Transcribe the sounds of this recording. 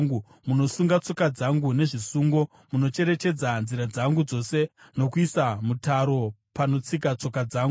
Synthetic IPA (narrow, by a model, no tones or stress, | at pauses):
ŋɡu | muno̞suŋɡat͡so̞kad͡zaŋɡune̞ʐisuːŋɡo̞ | muno̞t͡ʃe̞ɾe̞t͡ʃe̞d͡zanziɾad͡zaŋɡud͡zo̞se̞no̞kuisamutaɾo̞pano̞t͡sik̬at͡so̞kad͡zaːŋɡu